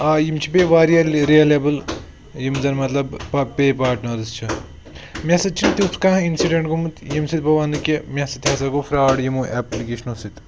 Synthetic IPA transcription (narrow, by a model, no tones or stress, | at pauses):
aːjimt͡ʃʰipeːʋaːɾjalɾiɐlebɨl | jimzɐnmɐt̪lɐbɐpeːpaːʈnɐːd̪ɐst͡ʃʰɐ | mʲɐsɐt̪̚t͡ʃʰint̪iwskãːɦinsiɖɐɳʈɡumɨt̪jimsit̪̚pɐʋaːnd̪ɨkjɐmʲɐsɐt̪ʰjɐsaɡofɾaːɽjimuːʔɛːplikeːʃnoːsit̪